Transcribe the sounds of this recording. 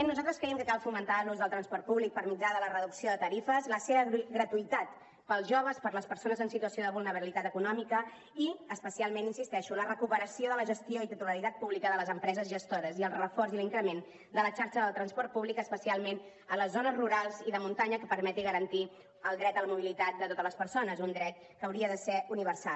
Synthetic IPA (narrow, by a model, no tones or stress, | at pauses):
nuzalˠt̪ɾəskɾɛjəmkəkalˠfumənt̪aluzðəlˠt̪ɾənspɔɾt̪̚puβlik̚pəɾmid͡ʒaðələrəðuksioðət̪əɾifəzləseβəɣɾət̪uit̪at̪ | pəlˠzʒoβ̞əspəɾləspəɾsonəzənsit̪uəsioðəβulˠnəβəilit̪at̪əkunɔmikə | iəspəsialˠmeninsist̪ɛʃuələrəkupəɾəsioðələʒəst̪ioit̪it̪uləɾit̪at̪̚puβlikəðələzəmpɾɛzəzʒəst̪oɾəziəlˠrəfɔrziliŋkɾəmen | d̪ələt͡ʃaɾʃəðəlˠt̪ɾənspɔɾt̪̚puβlikəspəsialˠmen | ələzːonəzruɾalˠziðəmunt̪aɲəkəpəɾmɛt̪iɣəɾənt̪i | əlˠd̪ɾɛt̪ələmuβ̞ilit̪at̪̚d̪ət̪ot̪ələspəɾsonəzund̪ɾɛt̪̚ | kəwɾiəðəsɛuniβ̞əɾsal